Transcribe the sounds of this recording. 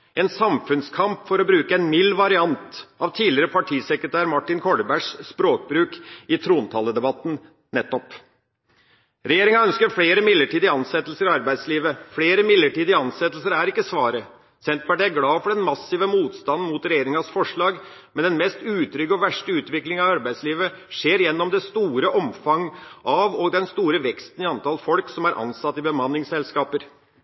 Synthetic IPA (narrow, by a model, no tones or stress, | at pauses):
ɛnsɑmfʉnskʰɑmpfɔɾɔbɾʉːkəɛnmɪlːʋɑɾɪɑnt̪ɑʋt̪ʰiːlɪəɾəpʰɑʈʰiːsɛkɾət̪ʰæːɾmɑʈːɪnkʰɔɖəbæʂspɾoːk̚bɾʉːkɪt̪ʰɾuːnt̪ʰɑːləd̪ɛbɑt̪ːn̩ | nɛt̪ːɔp | ɾɛjeːɾɪŋɑœnskəɾfɽeːɾəmɪlːəʈiːd̪ɪɑnsɛt̪ːəlsəɾɪɑɾbæɪd̪sliːʋəfɽeːɾəmɪlːəʈiːd̪ɪɑnsɛt̪ːl̩səɾæɾɪkːəsʋɑːɾə | sɛnt̪̚pɑʈiːæɾɡlɑːfɔɖɛnmɑsːɪʋəmuːt̪st̪ɑnn̩muːt̪ɾɛjeːɾɪŋɑsfɔʂɭɑːɡ | mɛnɛnmɛst̪ʉːt̪ʰɾʏɡəɔʋæʂʈəʉːt̪ʋɪklɪŋɑʋɑɾbæɪsliːʋə | ʂeːɾjɛnːɔmd̪ɛst̪uːɾəʔɔmfɑŋːʔɑʋɔɡd̪ɛnst̪uːɾəʋɛkst̪n̩ɪɑnt̪ʰɑlfɔlksɔmæɾʔɑ̰nsɑt̪ːɪbəmɑnːɪŋsɛlskɑːpəɾ